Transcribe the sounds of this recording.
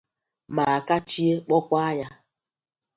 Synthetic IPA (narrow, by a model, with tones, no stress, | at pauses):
ma˨ka˦t͡ʃi˦e˦k͡pɔ˦kʷa˦ja˦